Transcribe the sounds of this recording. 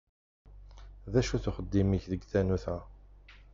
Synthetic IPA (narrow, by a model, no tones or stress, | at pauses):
ðæʃuθʊχəd̪ːimiçðəɡθænuθæ